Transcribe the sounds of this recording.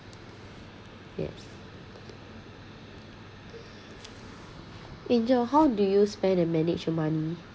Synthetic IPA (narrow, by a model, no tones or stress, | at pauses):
jɛ̰s | ʔɛ̃nd͡ʒɔɦawdujuspɛ̃ndəmɛnɪt͡ʃt͡ʃɔmani